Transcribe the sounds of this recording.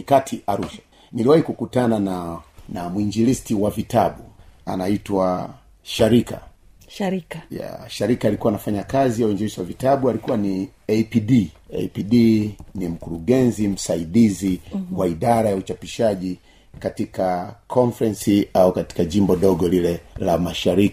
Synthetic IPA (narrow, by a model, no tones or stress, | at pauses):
nikatʰiʔaɾuʃḁ | niliwahikukutanananamwiɲd͡ʒilistiwavitaɓua̰naitwa | ʃaɾika̰ | ja̰ʃaɾikaːlikuwaːnafaɲakazijauiɲd͡ʒiɾisiwavitaɓualikuwani | ɛpiɗiɛ̰piɗinim̩kuɾuɠɛnzim̩saiɗiziwaiɗaɾajaut͡ʃapiʃaʄi | katikakʰɔɱfɾɛnsiaukati̥kaʄimbɔɗɔɡɔlilɛlamaʃaɾiki̥